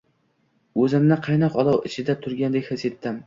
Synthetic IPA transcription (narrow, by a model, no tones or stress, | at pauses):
ɵzɪmnɪqʰɑjnɑqɒlˠɒwɪt͡ʃʰɪd̪at̪ʰʊɾɡʲand̪ekʲhɪset̪ːɪm